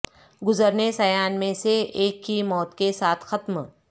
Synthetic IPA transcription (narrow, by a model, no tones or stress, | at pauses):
ɡʊzəɾnesɐjaːnmẽseeːkːimɔːt̪kesaːt̪ʰxɐt̪m